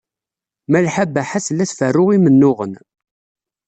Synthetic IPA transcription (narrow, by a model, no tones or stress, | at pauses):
mælħabːæħaslːæθfərːʊʁimənːʊʁə̰n